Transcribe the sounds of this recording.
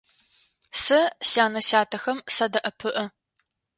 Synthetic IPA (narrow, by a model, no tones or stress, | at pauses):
sɨsaːnɐɕaːtʰɐxɐmsɐdɐʔɐpʰɨʔɨ